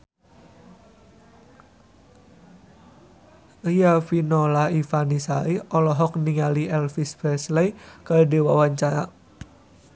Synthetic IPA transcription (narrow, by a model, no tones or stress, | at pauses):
əjafinɔlaifanisaiɔlɔɦɔk̚niŋaliɛlfisfɛslɛjkadewawaɲt͡ʃaɾa